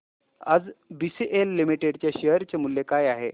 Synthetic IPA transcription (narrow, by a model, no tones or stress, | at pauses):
a̰d͡zbisiʔelːimiʈeɽt͡ɕjaɕeɦɾt͡ɕamuljekajaɦe